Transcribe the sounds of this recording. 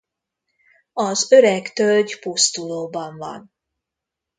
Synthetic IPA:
ɒzøɾɛkt̪ølɟpust̪uloːbɒɱvɒ̰n

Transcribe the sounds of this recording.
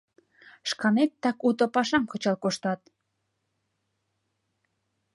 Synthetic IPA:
ʃkɑnet̪ːɑkut̪ŏpɑʃɑmkɤ̆t͡ɕɑlkoʃt̪ɑt̪

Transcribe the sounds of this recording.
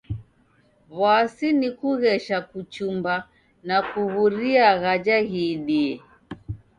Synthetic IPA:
βasinikuɣɛʃakut͡ʃumba | nakuɣuɾiaɣad͡ʒaɣiɗiɛ

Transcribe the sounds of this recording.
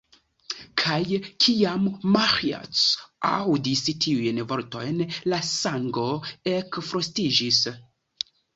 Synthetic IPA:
kʰajkʰiamːaxia̰t͡sa̰wdistʰiujnvo̞ɾto̞̰jnlasaŋɡo̞ekfɾostid͡ʒis

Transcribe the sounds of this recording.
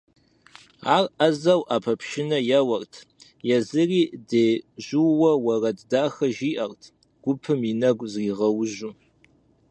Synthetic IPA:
aːrɐzɐwʔaːpʰɐpʃɪnɐjɐwɐrtʰ | jɛzɨriːdeːʑuwwɐwɐrɐddaːxɐʒiːʔɐrtʰ | ɡ̥ʷʊpʰɨminɐɡʷzriːʁɐwʒu

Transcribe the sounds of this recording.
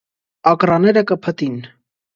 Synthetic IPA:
ɑkrɑnɛɾəkəpʰət̪in

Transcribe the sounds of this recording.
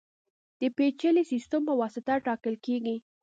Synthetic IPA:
d̪̥əpet͡ʃəlisist̪əmpəwɑsɪt̪aʈɑkəlkeɡi

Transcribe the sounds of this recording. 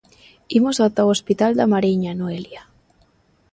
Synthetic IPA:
imosawt̪awospit̪ald̪amaɾiɲanoelja

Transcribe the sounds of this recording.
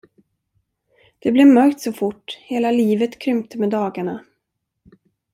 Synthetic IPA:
d̪̥ɛblɛvmœɾkt̪sɔfʊʈːheːlaliːvət̪kʰɾʏmt̪ʰəmɛd̪ɑːɡaɳa

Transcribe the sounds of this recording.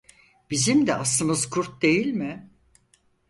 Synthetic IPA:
b̥izimd̪ɛʔasˠɯmɯzkʰuɾt̪̚d̪e̞jilʲmɪ

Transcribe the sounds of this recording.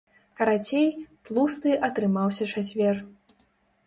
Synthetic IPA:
kɐɾat͡sʲejt̪lˠust̪ɨʔɐt̪ɾɨmawsʲɐt͡ʂat͡sʲvʲɛr

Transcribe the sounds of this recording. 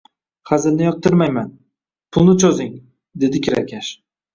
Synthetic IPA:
χazɪlnɪjɒq̚t̪ʰɪɾmajman | pʰʊlˠnɪt͡ʃʰozɪŋ | d̪e̞d̪ɪkʲʰɪɾakʲʰaʃ

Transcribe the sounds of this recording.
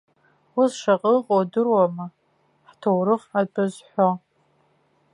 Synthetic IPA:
wʊsʂaqʼəqʼodɨrwamɨ | ħtʰowɾɨχat͡pʼɨzħʷo

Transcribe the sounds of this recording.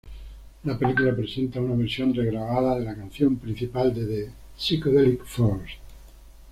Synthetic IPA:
lape̞likulapɾe̞sẽ̞nt̪aunaβ̞eɾsjo̞nreɣɾaɣaðaðelakan̟θjo̞mpɾin̟θipald̪eðe | sikoðelikfos

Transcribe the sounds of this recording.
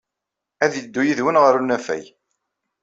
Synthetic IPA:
æðəd̪ːujiðwənʁəɾunæfæ̰j

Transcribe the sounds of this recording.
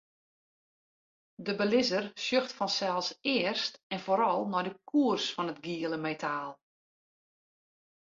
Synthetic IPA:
dəbəlɪzərsjøxtfɔnsɛlˠsɪərstɛnfoːɾɔlˠnɔjdəkʰuərsfɔnətɡiəlˠəmetʰaːlˠ

